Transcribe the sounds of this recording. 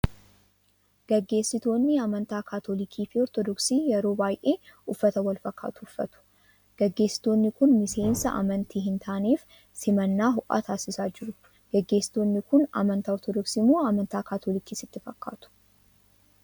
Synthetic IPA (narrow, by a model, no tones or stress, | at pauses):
ɡ̥ɐɡːe̞ːsːɪt̪o̞ːnːɪɐmɐnt̪aːkʰaːt̪olɪkʰiːfɪɔɾt̪ɔd̪ɔksiːjɛɾo̞ːbaːjʔe̞ːʊfːɐt̪ɐwɐlfɐkːa̰ːt̪ʊʊfːɐt̪ʊ̥ | ɡ̥ɐɡːeːsːɪ̥t̪o̞ːnːɪkʊnmɪse̞ːnsɐʔɐ̰mɐnt̪ʰiːɦɪnt̪ʰaːniːf | sɪmɐnːaːɦʊʔa̰ːt̪ʰaːsɪsaːd͡ʒɪɾʊ | ɡ̥ɐɡːe̞ːsːɪ̥t̪o̞ːnːɪkʊnɐ̰mɐnt̪aːɔɾt̪ɔd̪ɔksiːmoːɐmɐnt̪aːkaːt̪ʰoːlɪkiːsɪt̪ːɪfɐkːa̰ːt̪ʊ̥